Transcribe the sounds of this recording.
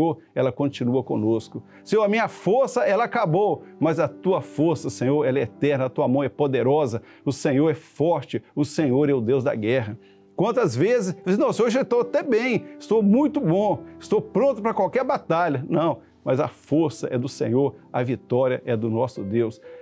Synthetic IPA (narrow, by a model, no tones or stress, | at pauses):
oɾ | ɛlɐkõt͡ʃĩnuɐkõ̰noskʊ | seowɐmĩɲɐfoɾsɐɛlɐakabowmɐzɐt̪uɐfoɾsɐsẽɲoɾɛlɛɛt̪ɛɾnɐɐt̪uɐmɐ̃w̃ɛpod̪eɾɔzɐ | ʊsẽɲoɾɛfɔɾt͡ʃɪʊsẽɲoɾɛʊd̪ewzd̪ɐ̰ɡɛɦɐ | kwɐ̃nt̪ɐzvezɪsinɐ̃w̃seoɾʒoɪst̪owat̪ɛbẽj̃ɪst̪owmũj̃t̪ʊbõɪst̪owpɾõnt̪ʊpɾɐkwawkɛɾbat̪aʎɐnɐ̃w̃ | mɐzɐfoɾsɐʔɛd̪ʊsḛ̃ɲoɾɐvit̪ɔɾiɐ̰ʔɛd̪ʊnɔsʊd̪ews